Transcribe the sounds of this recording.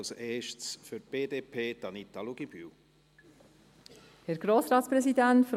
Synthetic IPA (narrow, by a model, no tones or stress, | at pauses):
seːʃsfyɾt̚b̥eːdeːpʰeːd̥̪ɑnit̪aluɡ̥ib̥y̰ | hɛɾɡ̥ɾoːsɾɑːt̪spɾɛsidæntfɾ